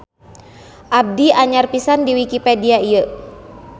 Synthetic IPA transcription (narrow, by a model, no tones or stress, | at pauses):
ʔab̚diaɲarpisandiwikipediaijə